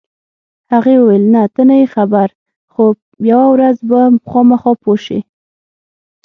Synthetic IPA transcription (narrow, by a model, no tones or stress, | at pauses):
haɣewəwelnat̪ənajexabaɾ | xo | jawawɾazbaxɑmaxɑpoʃḭ